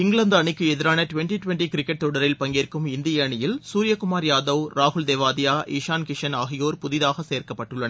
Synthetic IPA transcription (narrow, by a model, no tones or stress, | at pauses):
ɪŋɡɭɐnd̪ɐɳɪkːɯɛðɪɾaːnɐʈʊʋɛɳʈiʈʋɛɳʈikɪɾɪkːɛʈ̚t̪ɔɽɐɾɪlpɐŋɡeːrkɯmɪnd̪ɪjɐɳɪjɪlsuːɾɪjɐkʊmaːɾjaːðɐwɾaːɦʊɭd̪eːʋaːðɪjaːʔiːʂaːnkɪʂɐnaːɣɪjoːɾpʊðɪðaːɣɐseːɾkɐpːɐʈːɯɭːɐnɐ